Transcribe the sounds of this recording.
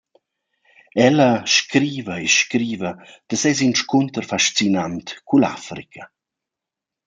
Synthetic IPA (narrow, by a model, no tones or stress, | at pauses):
ɛlɐʃkɾiːvəeʃkɾiːvɐd̪̥əsɛz̬inʃkunt̪ərfaʃt͡sinant̪kula̰fɾḭkʰə